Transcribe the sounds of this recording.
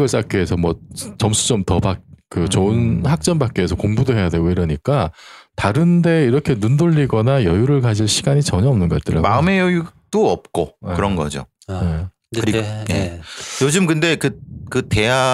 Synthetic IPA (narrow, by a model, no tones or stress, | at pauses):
ɡʌɭs͈ak͈eesʰʌmwʌt͡ɕʌmsʰu̥d͡ʑomtʌbak̚kɯt͡ɕounhak̚t͡ɕ͈ʌnbak͈eesʰʌkoŋbudoɦe̞jadwe̞ɡoiɾʌɲik͈ataɾɯnde̞iɾʌkʰe̞nundoʎːiɡʌnajʌjuɾɯɭkad͡ʑiɭɕʰiɡaɲit͡ɕʌɲʌʌmnɯnɡʌ̰t͈ɯɾa̰maɯme̞jʌjut͈oʌp̚k͈okɯɾʌnɡʌ̰d͡ʑo̰ | je | kɯɾijḛjod͡ʑɯmkɯnde̞kɯkɯte̞a